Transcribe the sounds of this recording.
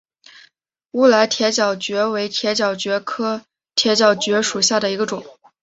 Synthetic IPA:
u˥˩la˧˥ɪt̪ʰjɛ˧˥t͡ɕjɑ˨˩ʊt͡ɕɥɛ˧˥we˧˥ɪt̪ʰjɛ˧˥t͡ɕjɑ˨˩ʊt͡ɕɥɛ˧˥kʰɤ˥ | t̪ʰjɛ˧˥t͡ɕjɑ˨˩ʊt͡ɕɥɛ˧˥ʂu˨˩ɕ̬ja˥˩d̪ə˩i˧˥ɡə˧ʈ͡ʂʊ˨˩˦ŋ

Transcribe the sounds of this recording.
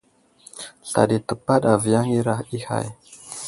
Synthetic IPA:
ɬa̰˨ɗi˨tə˨pa˦ɗa˨vi˨ja˦ŋi˦ɾa˦hi˦ha̰˨j

